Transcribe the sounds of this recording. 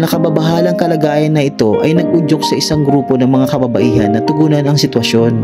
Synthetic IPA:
nɐkɐbɐbɐɦaːlɐŋkɐlɐɡaːjɐnːɐʔɪt̪o̞ʔɐjnɐɡ̚ʔʊd͡ʒok̚sɐʔɪsaŋɡɾuːpo̞nɐŋmɐŋakɐbɐbɐʔiːhɐnːɐt̪ʊɡuːnɐnɐŋsɪt̪wɐʃo̞n

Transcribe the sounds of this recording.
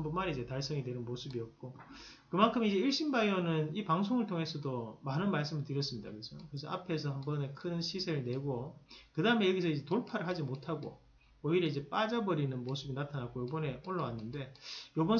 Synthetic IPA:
hmbʌnmaɾiid͡ʑe̞taɭs͈ʌŋidwe̞nɯnmosʰɯbiʌt̚k͈okɯmankʰɯmid͡ʑe̞iɭɕ͈inbaionɯnipaŋsʰoŋɯɭtʰoŋe̞sʰʌdomanɯnmaɭs͈ɯmɯɭtɯɾjʌs͈ɯmɲida̰kɯɡesʰʌkɯɾesʰʌa̰pʰe̞sʰʌhambʌne̞kʰɯnɕʰisʰeɾɯɭne̞ɡokɯdaɯme̞jʌɡisʰʌid͡ʑe̞toɭpʰaɾɯɭhad͡ʑimotʰaɡo̰ | ʌiɾeid͡ʑe̞p͈ad͡ʑabʌɾinɯnmosʰɯbinatʰanak͈ojobʌne̞oɭːʌwanːɯnde̞jobʌn

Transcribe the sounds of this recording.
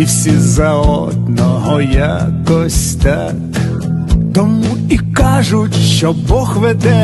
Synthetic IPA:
iwsʲizɐɔd̪̚nɔɦɔjakɔsʲt̪a | k | t̪ɔmu | ikɑʒʊtʲʃt͡ʃɔbɔɣʋɛd̪ɛ

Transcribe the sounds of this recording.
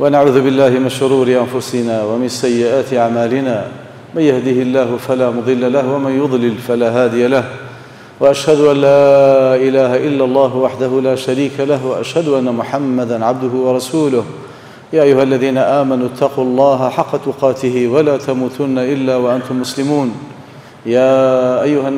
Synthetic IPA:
wanaʕuːðʊbɪlːaːhɪmɪnʃʊɾuːɾɪʔanfʊsɪnaːwamɪnsajːɪʔaːt̪ɪʔaʕmaːlɪnaː | manjahd̪ɪhɪlːaːɦʊfalaːmʊd̪ˤɨlːalahwamanjʊd̪ˤlɪlfalaːɦaːd̪ɪjalah | waʔaʃhad̪ʊʔanːaːʔɪlaːɦaʔɪlːalˤːɑːɦʊwaħd̪aɦʊlaːʃaɾiːkalahwaʔaʃhad̪ʊʔanːamʊħamːad̪anʕab̚d̪ʊɦʊwɑɾˤɑsuːlʊh | jaːʔajːʊhalːaðiːnaʔaːmanʊt̪ʰːɑquːɑlˤːɑːɦaħɑqːɑt̪ʊqɑːt̪ɪhɪwalaːt̪amuːt̪ʊnːaʔɪlːaːwaʔant̪ʊmːʊslɪmuːn | jaːʔajːʊha

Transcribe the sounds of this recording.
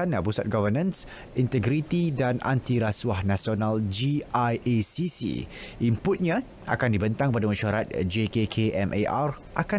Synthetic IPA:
anapusat̪̚ɡɔvənãns | int̪ɛɡɾit̪idanʔa̰nt̪iɾaswahnãsionald͡ʒiajʔesisḭ | ʔimpʊt̪̚ɲã | ʔa̰kandibənt̪aŋpadamaʃaɾat̪̚d͡ʒekekʰeʔɛmʔeʔar | ʔaka

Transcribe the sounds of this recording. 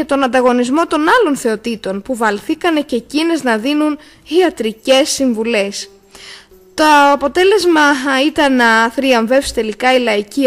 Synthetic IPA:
et̪o̞nɐnd̪ɐɣo̞nizmo̞t̪o̞nɐlo̞nθe̞o̞t̪it̪o̞npuvɐlθikɐne̞ce̞cineznɐðinun | iɐt̪ɾice̞siɱvule̞s | t̪o̞ɐpo̞t̪e̞le̞zmɐit̪ɐnːɐθɾiɐɱve̞fsi̥t̪e̞likɐilɐici

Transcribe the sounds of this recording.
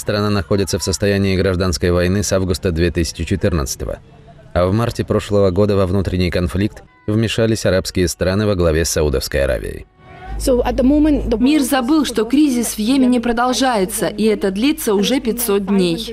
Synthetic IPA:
st̪ɾɐnanɐxo̞dʲɪt̪səfsəst̪ɐjænʲɪːɡɾɐʐd̪anskəjvɐjnɨsavɡʊst̪əd̪vʲet̪ɨsʲɪ̥t͡ɕɪt͡ɕɪt̪ɨrnə̰t̪sɨ̥t̪ə̰və̰ | avmartʲɪpɾo̞ʂlˠəvəɡo̞d̪əvɐvnut̪ɾʲɪnʲːɪjkɐnflʲik̚t̪ | vmʲɪʂalʲɪsʲɐɾapskʲɪjəst̪ɾanɨvəɡlˠɐvʲesɐud̪ə̰fskəjɐ̰ɾa̰vʲɪ̰jɪ̰ | soət̪̚d̪əmõmə̃nəmʲirzɐbɨlˠʂt̪o̞kɾʲizʲɪsvjemʲɪnʲɪpɾəd̪ɐlˠʐajɪt̪səʔiɛt̪əd̪lʲit̪sːəʊʐɛpʲɪtʲsot̪̚d̪ʲnʲej

